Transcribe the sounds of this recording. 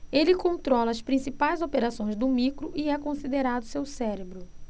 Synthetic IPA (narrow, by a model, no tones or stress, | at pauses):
elɪkõnt̪ɾɔlɐːspɾĩsipajzopeɾasõj̃zd̪ʊmikɾʊʔiɛkõsid̪eɾad̪ʊsewsɛɾebɾʊ